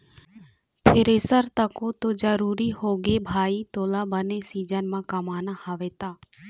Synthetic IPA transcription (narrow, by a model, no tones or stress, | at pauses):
p̪ʰeːɾeːsəɾt̪əkot̪od͡ʒəɾuːɾihoːɡebʱaːit̪oːlabənesiːd͡ʒənmãːkəmaːnahaʋeːt̪aː